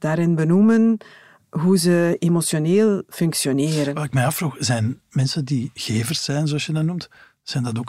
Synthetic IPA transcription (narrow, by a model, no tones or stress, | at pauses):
d̥aːɾɪnbənumən | ɦuzəemosjoneːlˠfʏŋksjoneːɾənʋaːɪk̚mɛjɑfruxzɛnmɛnsəndiɣeːvərsːɛjnzoɑsjədanumt | z̥ɛjndɑtoːk